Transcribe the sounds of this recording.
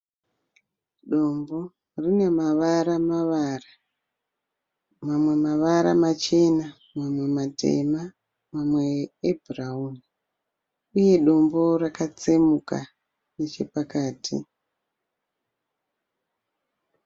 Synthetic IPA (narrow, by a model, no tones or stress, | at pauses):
ɗo̞mbo̞ | rine̞maʋaɾamaʋara | mamwe̞maʋaɾa̰mat͡ʃe̞na | mamwe̞mate̞̰ma | mamwe̞ːbʱurauːni | uje̞ɗo̞mbo̞rakat͡semuka | net͡ʃe̞̰pakaːtʰḭ